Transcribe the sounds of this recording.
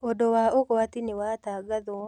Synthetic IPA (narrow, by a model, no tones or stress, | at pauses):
odowaʔokowat̪inɪwat̪aɡad̪o